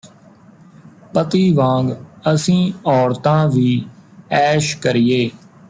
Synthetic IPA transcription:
pət̪iːʋãːŋɡəsĩːɔːɾt̪ãːʋiːɛːʃkəɾɪjeː

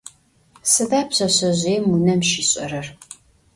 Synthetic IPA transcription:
sɨdaːpɕɐɕɐʑʷeːmunɐmʃiːɕʼɐ̰ɾɐr

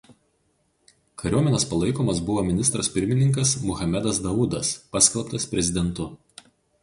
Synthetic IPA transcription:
kʰɐɾʲuɔmʲɛnʲɛspɐlˠɐɪkoːmɐs̬bʊʋoːmʲɪnʲɪst̪ɾɐsʲpʲɪɾʲmʲɪnʲɪŋk̬ɐsmʊxɐmʲɛd̪ɐsd̪ɐʊd̪ɐspɐsʲkʲɛlˠˑpt̪ɐspʲɾʲɛzʲɪd̪ʲɛnˑt̪ʊ

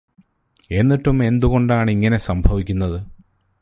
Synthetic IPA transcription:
e̞nːiʈːume̞nd̪uɣo̞ɳɖaːɳiŋːɐne̞sɐmbʱɐʋikʲːunːɐðɨ

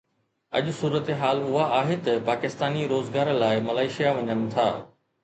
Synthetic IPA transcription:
ɐ̰ʄʊsuːɾət̪eɦaːlʊɦaaːɦet̪ɐpaːkɪst̪aːniɾoːzɡaːɾlaːɪmɐlaːɪʃijaʋɐɲənɪ̆t̪ʰa̰ː

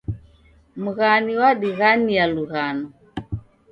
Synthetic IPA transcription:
muɣaniwaɗiɣanijaluɣanɔ

